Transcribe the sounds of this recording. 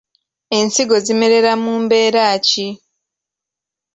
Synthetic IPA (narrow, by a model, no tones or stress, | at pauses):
e̞nsiɡo̞zime̞ɾe̞ɾamuːmbe̞ːɾaːci